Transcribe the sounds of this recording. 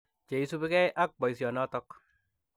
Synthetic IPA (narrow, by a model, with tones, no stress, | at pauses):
t͡ʃe˨isu˦pi˦kɛ˦jʔa˦k̚bɔ˨jsjɔ˨nɔ˦tɔk